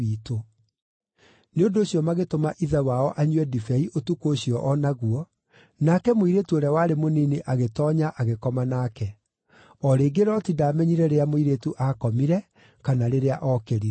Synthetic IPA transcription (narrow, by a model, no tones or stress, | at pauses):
iːto | neondoːɕiɔmaɣetomaʔiðawaɔʔaɲwɛdifɛiʔotukoːɕiɔʔɔnaɣuɔ | nakɛmoiɾetuoɾɛwaɾemonineʔaɣetɔːɲaʔaɣekɔmanaːkɛ | ɔɾeːɡeɾɔtidaːmɛɲiɾɛɾeamoiɾetuʔakɔmiɾɛ | kanaɾeɾeaʔɔkeɾi